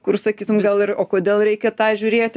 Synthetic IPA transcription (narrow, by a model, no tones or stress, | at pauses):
kʊrsɐkʲiːt̪ʊmɡɐlˠɪroːkoːd̪ʲeːlˠɾʲɛɪkʲɛt̪ɑːʒʲʊɾʲeːt̪ʲ